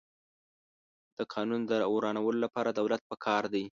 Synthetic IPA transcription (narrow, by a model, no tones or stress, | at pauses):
d̪̥əqʰɑnund̪əɾɑoɾɑnawəlolapɑɾad̪awlat̪̚pəkʰɑɾd̪aj